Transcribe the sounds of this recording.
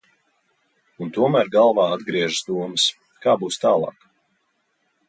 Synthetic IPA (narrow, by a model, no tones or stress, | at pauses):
unt̪uɔmæːɾɡalˠvaːad̪ɡɾiɛʒəsd̪uɔmɨs | kaːbuːst̪aːlˠɑ̰ːk